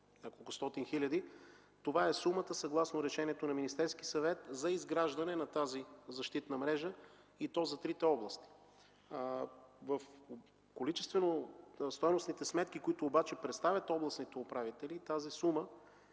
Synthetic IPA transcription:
nʲakolˠkʊst̪ɔt̪inxilʲɐd̪i | t̪ovaɛsumət̪əsɐɡlˠasnoɾɛʃɛniɛt̪onɐminist̪ɛɾsk̟isɐvɛt̪zɐizɡɾaʒd̪ɐnɛnɐt̪azizɐʃt̪it̪nɐmɾɛʒə | it̪ɔzɐt̪ɾit̪ɛɔblˠəst̪i̥ | vəf | kolit͡ʃɛst̪vɛnost̪ɔjnosnit̪ɛsmɛt̪k̟ikoit̪ʊːbat͡ʃɛpɾɛt̪st̪avʲɐt̪ɔblˠɐsnit̪ɛopɾavit̪ɛlit̪azisumə

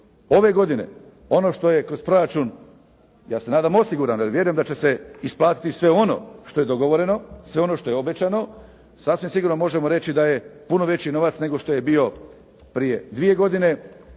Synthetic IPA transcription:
o̞ʋe̞ɡo̞d̪ine̞̰ | o̞no̞ʃt̪o̞je̞kɾo̞spɾo̞ɾat͡ʃuːn | jaːse̞naːd̪amo̞siɡuɾanoaliʋje̞ɾujemd̪at͡ɕe̞se̞isplˠaːt̪i̥t̪isʋe̞o̞no̞̰ʃt̪o̞je̞d̪o̞ɡo̞ʋo̞ɾe̞no̞sʋe̞o̞no̞ʃt̪o̞jeo̞be̞t͡ɕano̞ | sasʋimsiɡuɾnomo̞ʒemoɾe̞t͡ɕid̪ajepuno̞ʋe̞t͡ɕino̞ʋat̪sne̞ɡo̞ʃt̪oje̞bio̞ | pɾije̞d̪ʋije̞ɡo̞d̪ine̞

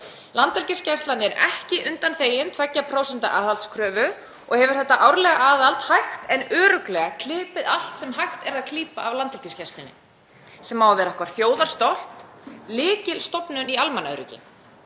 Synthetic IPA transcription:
lant̪ɛlciscast̪lanɪɛɾɛ̰hcɪʔʏnt̪anθeːjɪnt̪ʰvɛcːapʰɾoːwsɛnt̪a̰ʔaːðalt̪skʰɾœːvʏ | ɔɣhɛvʏɾ̥θɛht̪ːaʔawɾlɛɣaʔaːðalt̪hajxt̪ɛnœːɾʏklɛɣakʰlɪːpɪðal̥t̪sɛmɦajxt̪ɛɾaðkʰliːpa̰avlant̪ɛlciscast̪lɪnɪ̰ | sɛmawðɛɾahkvaɾ̥θjoːwðaɾ̥st̪ɔl̥t̪ | lɪːcɪlst̪ɔpnʏnialmanːœ̰ɾʏ̰cɪ̰

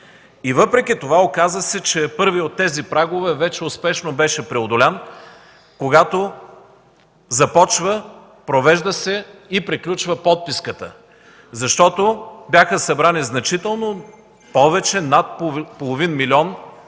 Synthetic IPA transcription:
ivɤpɾɛk̟ʲit̪ovaokazəsɛt͡ʃɛpɤɾviot̪ːɛzipɾaɡovɛvɛt͡ʃɛʊspɛʃnobɛʃɛpɾɛod̪ʊlʲan | koɡat̪o | zɐpɔt͡ʃvə | pɾovɛʒd̪əsɛipɾiklʲut͡ʃvəpɔt̪̚piskət̪ə̰ | zɐʃt̪ɔt̪objaxəsɐbɾaniznɐt͡ʃit̪ɛlˠno | pɔvɛt͡ʃɛnat̪̚polˠovinmilʲiɔn

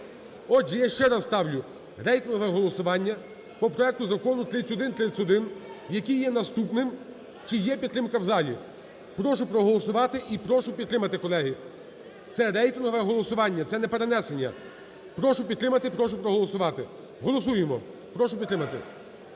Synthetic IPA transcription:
ɔd͡ʒijaʃt͡ʃɛɾɑsst̪ɑwlʲʊ | ɾɛjt̪ɪnɦɔʋɛɦɔlˠɔsʊʋɑnʲːɐ | pɔpɾɔɛk̚t̪ʊzɐkɔnʊt̪ɾɪsʲʊd̪ɪnt̪ɾɪsʲʊd̪ɪnjɐkʲijːɛnɐst̪upnɪm | t͡ʃɪjɛpʲidt̪t̪ɾɪmkɐwzɑlʲḭ | pɾɔʃʊpɾɔɦɔlˠɔsʊʋɑt̪ɪʔipɾɔʃʊpʲid̪t̪ɾɪmɐt̪ɪkɔlˠɛɦi | t̪sɛɾɛjt̪ɪnɦɔʋɛɦɔlˠɔsʊʋɑnʲːɐt̪sɛnɛpeɾe̞nɛsenʲːɐ̰ | pɾɔʃʊpʲid̪t̪ɾɪmɐt̪ɪpɾɔʃʊpɾɔɦɔlˠɔsʊʋɑt̪ɪ | ɦɔlˠɔsujemɔ | pɾɔʃʊpʲid̪ɾɪmɐt̪ɪ̰

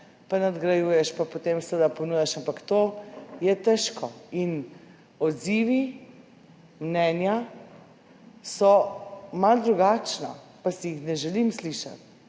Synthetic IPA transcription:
panad̪ɡɾajuːjɛʃpapot̪emsʋəd̪aponujɛʃampakt̪oːjɛt̪ɛʃkʰɔin | ɔd̪ziːʋi | mnɛːnja | sɔmald̪ɾuɡat͡ʃna̰pasijixnɛʒɛlimsliʃa̰t̪̚

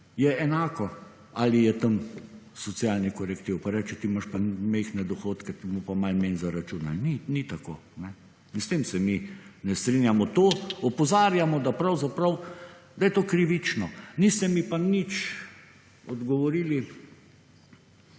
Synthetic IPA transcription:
jɛɛnaːkɔ | alijɛt̪ɐmsɔt̪sijalnikɔɾɛkt̪iwpaɾɛːt͡ʃɛt̪imaʃpamɛɪxnɛd̪ɔxoːt̪kɛt̪imopamalmenzaɾat͡ʃunalninit̪akoːnɛ | inst̪eːmsɛminɛst̪ɾinjamɔt̪oːɔpɔzaːɾjamɔd̪apɾɐwzapɾɐw | d̪ajɛt̪oːkɾiʋit͡ʃnɔnist̪ɛmipanit͡ʃ | ɔd̪ɡɔʋɔɾiːli

